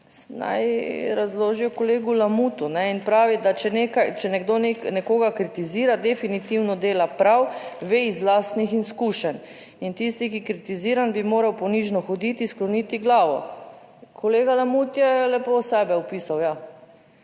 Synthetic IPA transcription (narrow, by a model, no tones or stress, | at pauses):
sna̰jɾazloːʒiɔkɔleːɡulamuːt̪unɛinpɾaːʋid̪at͡ʃɛnekajt͡ʃɛnɛɡd̪oneknɛkoːɡakɾit̪iziːɾad̪ɛfinit̪iwnɔd̪eːlapɾawʋeizlaːst̪nixinskuːʃɛn | int̪ist̪ikikɾit̪iziːɾanbimoːɾawpɔniʒnɔxɔd̪it̪isklɔnit̪iɡlaːʋɔ̰ | kʰɔleːɡalamut̪jɛlɛposɛːbɛɔpiːsawja